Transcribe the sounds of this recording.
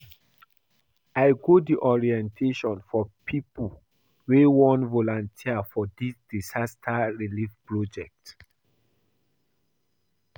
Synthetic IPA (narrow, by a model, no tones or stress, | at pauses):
aɪɡodiʔɔɹiɛ̃ntʰeʃɔ̃nfɔpʰipu | wewɔ̃ntvolɔ̃ntʰiafɔdisd̥isastʰaɹilifpɹɔd͡ʒɛk̚t